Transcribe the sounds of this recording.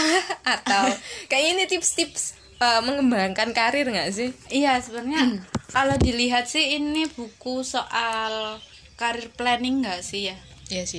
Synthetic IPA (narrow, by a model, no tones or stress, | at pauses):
at̪awkaiinit̪ipst̪ɪps | əməŋəmbaŋkankaɾɪrŋɡaʔsɪhijasəbərɲakalodi̤liɦat̪̚sɪhinib̥ukusoʔal | kaɾɪrplɛnɪŋːɡaʔsɪhjajasɪ